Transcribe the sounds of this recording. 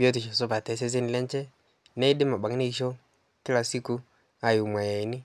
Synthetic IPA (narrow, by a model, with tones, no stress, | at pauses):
bi˦o˦t̬i˨ʃa˨sɔ˦pa˨tɛ˨˦s̬ɛ˦s̬e˦nɪ˨lɛ˦nt͡ʃɛ˦ | nɛ˦i˦dɪ˦ma˨ɓa˨ŋ˦ne˦i˨˦ʃo˦ | kɪ˦la˨si˦kʊ˦ | a˨jʊ˨mwa˨ja˨i˨˦nɪ˦